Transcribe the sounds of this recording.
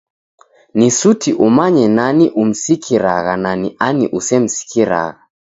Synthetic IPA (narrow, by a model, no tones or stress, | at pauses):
nisutiʔumaɲɛnaniʔum̩sikʰiɾaɣananiʔaniʔusɛm̩si̥kiɾa̰ɣa